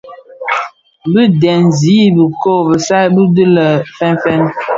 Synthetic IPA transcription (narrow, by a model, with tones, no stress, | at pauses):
bə˦dɛ˨n˨zi˨˦bə˨ko˦˨bə˨sa˦bə˦də˦lə˨fɛ˦nfɛ˦n